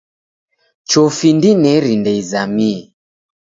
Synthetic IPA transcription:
t͡ʃɔfindinɛɾindɛizamiɛ

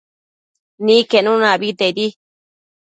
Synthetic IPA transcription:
nĩkenũnãβit̪ed̪i

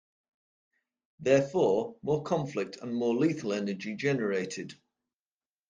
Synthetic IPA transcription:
ðɛːfɔːmɔːkʰɒ̃ɱflɪk̚tʰə̰̃nmɔːliˑθəlɛnəd͡ʒɪd͡ʒɛnəɹeɪtʰɪd̥

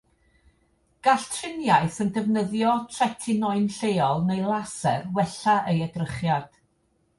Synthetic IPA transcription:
ɡ̥aɬtʰrɪnjaɨθəndəvnəðjɔtʰrɛtʰɪnɔɨnɬejɔlˠnejlˠasɛrwɛɬaʔejədrəχjad̥

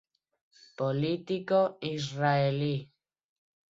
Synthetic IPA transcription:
polit̪ikoisraeli

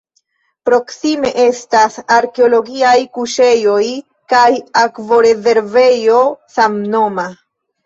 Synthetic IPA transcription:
pɾo̞ksime̞ʔe̞stasaɾke̞o̞lo̞ɡiajkuʃe̞jo̞j | kajakvo̞ɾe̞ze̞ɾve̞jo̞samno̞ma

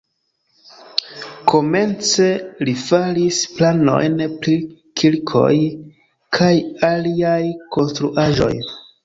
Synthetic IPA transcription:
kʰo̞me̞nt͡se̞lifalisplano̞̰jnpɾi | kʰilkʰo̞̰j | kʰajaliajko̞nstɾuʔaʒo̰j

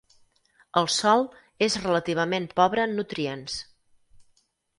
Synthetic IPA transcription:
əlˠsɔlˠ | ezrələt̪iβ̞əmempɔβɾənːut̪ɾiens

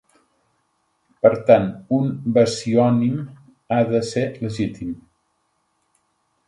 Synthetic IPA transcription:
pəɾt̪anumbəsiɔnim | aðəseləʒit̪im

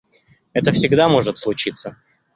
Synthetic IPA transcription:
ɛt̪əfsʲɪɡd̪amo̞ʐɨt̪slˠʊt͡ɕit̪sːə

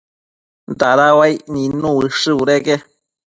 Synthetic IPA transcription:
nd̪aɾawajnĩnũɨʂɨuɾeɡe

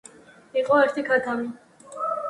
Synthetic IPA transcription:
iqʼɔɛɾt̪ʰikʰat̪ʰami

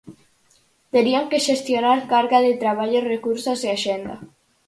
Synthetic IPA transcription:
t̪eɾiaŋkeʃest̪jonaɾkaɾɣaðet̪ɾaβ̞aʎorekuɾsoseaʃend̪a̰

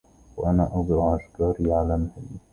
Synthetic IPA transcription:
waʔanaːʔɑd̪ˤɾɑʕʔaʃkɑːɾiːʕalaːmahɪlː

